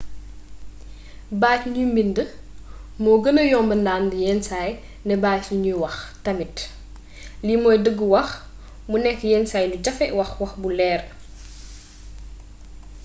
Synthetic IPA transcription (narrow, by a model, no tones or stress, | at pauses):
baːcɲumbində | mɔːɡənəjɔːmbəndaːndijɛnsaːj | nɛbaːcɲujwɐxtɐmit | limɔːjdəɡːəwɐx | munɛkːjɛnsaːjluɟɐfɛwɐxwɐxbulɛːr